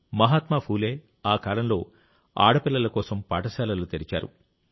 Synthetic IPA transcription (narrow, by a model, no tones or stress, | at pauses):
mɐɦaːt̪maːpʰuːle̞ː | aːkaːlɐmlo̞ː | a̰ːɽɐpilːɐlɐkɔːsɐmpa̰ːʈɐsaːlɐlut̪eɾit͡ʃa̰ːɾṵ